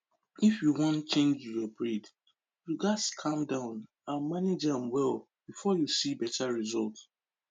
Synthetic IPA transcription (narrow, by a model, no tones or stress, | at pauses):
ifjuwɔ̃ntt͡ʃẽnd͡ʒjɔbɹid | ɹiɡadskʰãmdãʊ̃n | ãmaned͡ʒãmwɛlˠ | b̥ifɔjusibɛtʰaɹizɔlˠt